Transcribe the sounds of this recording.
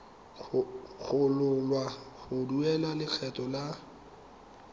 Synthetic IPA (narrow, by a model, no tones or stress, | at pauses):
ɣʊlʊlwaɣʊduɛlalɪk͡xʰɛtʼɔla